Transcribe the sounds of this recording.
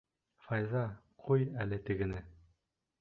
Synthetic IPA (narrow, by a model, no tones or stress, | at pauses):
fɑjzɑqʰujælɘt̪ɘ̆ɡɘ̆nɘ